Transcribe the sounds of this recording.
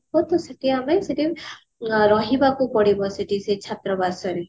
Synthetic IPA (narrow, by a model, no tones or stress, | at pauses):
ɦot̪ɔsɔʈiameseʈi | ɾɔɦibakupɔɽibɔsiʈiset͡ʃʰat̪ɾɔbasɔɾi